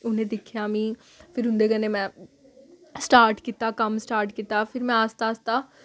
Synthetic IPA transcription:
ʊnẽːd̪ɪkʰːjaːmĩː | pʰɪɾɦʊ̃nd̪eːkəneːmɛ̃ː | sʈaːɾʈkiːt̪aːkəmsʈaːɾʈkiːt̪aːpʰɪɾmɛ̃ːaːst̪aːst̪aː

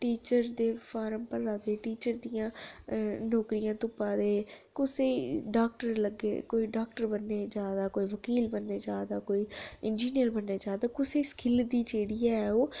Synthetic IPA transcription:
ʈiːt͡ʃəɾd̪eːfʰaːɾəmpəɾaːd̪eːʈiːt͡ʃəɾd̪ijãː | nɔːkɾijãːt̪ʊpãːd̪eːkʊseːɖaːk̚ʈəɾləɡḛːkoːiːɖaːk̚ʈəɾbənːeːd͡ʒaːd̪aːkoːiːʋəkiːlbənːeːd͡ʒaːd̪aːkoːiːɪnd͡ʒiːnijəɾbənːeːd͡ʒaːd̪aːkʊseːskɪld̪iːd͡ʒeːɽijaːɛoː

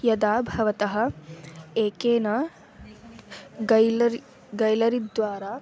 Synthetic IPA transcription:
jɐd̪aːbʱɐʋɐt̪ɐɦɐ̆ | eːkeːnɐ | ɡɐ | ɡɐjlɐɾid̪ʋaːɾaː

